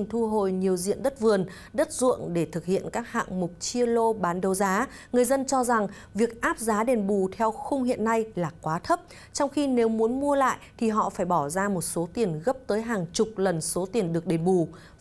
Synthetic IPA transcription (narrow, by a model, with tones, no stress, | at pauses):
ŋt̪ʰu˧ɦo˨˩jɲi˨˩əwzḭ˧˨ənɗə˦˥t̚vɨ˨˩ən | ɗə˦˥t̚zʊ̰˧˨ənɗe˧˩t̪ʰɨ˨˩k̚hḭ˧˨ənkaː˦˥k̚ha̰ː˧˨ŋmʊ˨˩k͡p̚t͡ɕi˧əlo˧ɓaː˨˦nɗə˨˩wzaː˨˦ŋɨ˨˩əjzə˧nt͡ɕɔ˧za˨˩ŋ | vi˨˩ək̚ʔaː˦˥p̚zaː˨˦ɗe˨˩nɓu˨˩t̪ʰɛ˧wxʊ˧wŋ͡mɦḭ˧˨ənːa˧jlaː˨˩kwaː˨˦t̪ʰə˦˥p̚ | t͡ɕɔ˧wŋ͡mxi˧ne˨˦wmu˨˦ənmu˧əla̰ː˧˨jt̪ʰi˨˩ɦɔ̰˧˨faː˧˩jɓɔ˧˩zaː˧mo˨˩t̚so˨˦t̪i˨˩ənɣə˦˥p̚t̪əː˨˦jɦaː˨˩ŋt͡ɕʊ˨˩k͡p̚lə˨˩nso˨˦t̪i˨˩ənɗɨ˨˩ək̚ɗe˨˩nɓu˨˩